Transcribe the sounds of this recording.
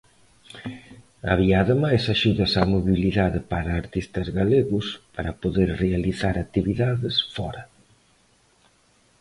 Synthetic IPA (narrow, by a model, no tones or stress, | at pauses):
a̰βiaːðemajsaʃuðɐsamoβiliðaðɪpaɾɐːɾt̪ist̪ɐzɣaleɣʊspaɾɐpoðeɾrealiθaɾat̪iβiðaðɪsfɔɾɐ